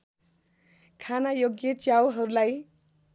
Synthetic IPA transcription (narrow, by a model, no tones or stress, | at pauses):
kʰanajoɡjʌt͡sjawɦʌɾulaj